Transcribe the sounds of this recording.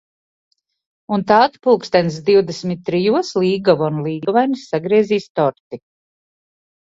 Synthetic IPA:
unt̪aːd̪puːkst̪ɛns̬d̪iwd̪esmʲit̪̚ʲːɾijuɔslˠiːɡɔvɔnulˠiːɡɔvajnisːaɡɾiɛziːst̪ɔɾt̪i

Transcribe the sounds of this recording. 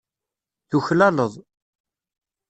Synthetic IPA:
θuçlæləðˤ

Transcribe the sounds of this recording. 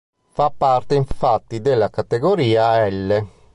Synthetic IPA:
fapːart̪eiɱfat̪ːid̪elːakat̪eɡoɾiːaɛlːe

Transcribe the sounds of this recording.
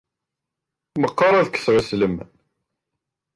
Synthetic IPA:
məqːɑɾˤæðkːθʁəsləm

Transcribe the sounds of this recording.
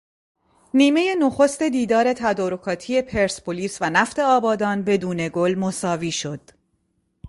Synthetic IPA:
niːme̞je̞noxost̪e̞d̪iːd̪ɒːɾe̞t̪ʰæd̪ɒːɾo̞kʰɒːt̪ʰije̞pʰe̞ɾspʰoliːsvænæft̪e̞ɒːbɒːd̪ɒːnbe̞d̪uːne̞ɡolmosɒːviːʃo̞d̪̥

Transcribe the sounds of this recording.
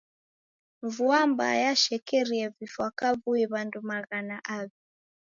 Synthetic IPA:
vuamba̰jaʃɛkɛɾiɛvifwakaβuiβandumaɣanaʔaβi

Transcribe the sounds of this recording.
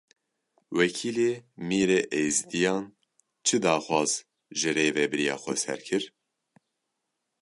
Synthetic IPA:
wɛkʰiːleːmiːɾeʔejzd̪ijɑːn | t͡ʃʰɨd̪ɑːxʷwɑːz | ʒɨɾeːvɛbɛɾijɑ̰ːxʷɛ̰sɛ̰ɾkʰɨɾ

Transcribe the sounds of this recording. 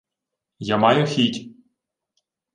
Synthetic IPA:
jamɑjʊxʲitʲ

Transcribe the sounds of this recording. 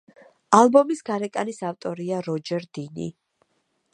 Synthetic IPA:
alˠbɔmisɡaɾɛkʼanisavt̪ʼɔɾiaɾɔd͡ʒɛɾd̪inḭ

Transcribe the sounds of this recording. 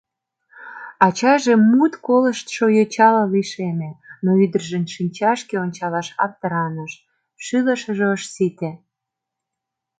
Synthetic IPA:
ɑt͡ɕɑʒemut̪kolə̆ʃt̪ʃojot͡ɕɑlɑliʃemenoyd̪ərʒə̆nʃinʲt͡ɕɑʃkeonʲt͡ɕɑlɑʃɑ̰k̚t̪əɾɑnəʃ | ʃylə̆ʃəʒeəʃsit̪e

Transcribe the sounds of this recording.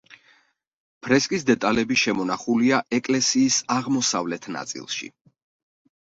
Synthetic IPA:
pʰɾɛskʼisd̪ɛt̪ʼalɛbiʃɛmɔnaχuliaʔɛkʼlɛsiːsaʁmɔsavlɛt̪ʰna̰t̪sʼḭlˠʃḭ

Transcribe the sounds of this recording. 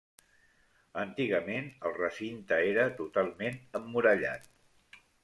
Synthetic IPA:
ənt̪iɣəmenəlˠrəsint̪əeɾət̪ut̪alˠmenəmːuɾəʎa̰t̪̚

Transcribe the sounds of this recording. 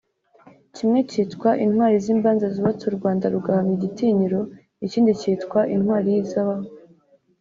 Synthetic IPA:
cimŋe̞citkwaʔinhwaːɾiziːmbaːnzaziβat͡suɾɡwaːndaɾuɡahamɲiɟitiːɲiɾo̞ | iciːndiciːtkwaʔinhwaːɾijizaβaho

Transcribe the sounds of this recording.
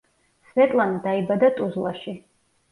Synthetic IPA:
svɛt̪ʼland̪aibad̪at̪ʼuzlaʃi

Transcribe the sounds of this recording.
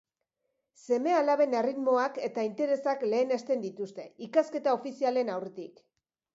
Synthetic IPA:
se̞me̞alaβe̞ne̞rit̪mo̞ake̞t̪aint̪e̞ɾe̞sakle̞ːne̞st̪e̞nd̪it̪ust̪e̞ikaske̞t̪ao̞fisiale̞nawret̪ik

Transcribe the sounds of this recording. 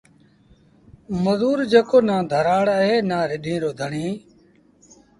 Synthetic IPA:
məzuːɾd͡ʒeːkoːnãːd̪ʱəɾaːɽəɦeːnãːɾɪɗĩːɾoːd̪ʱəɳiː

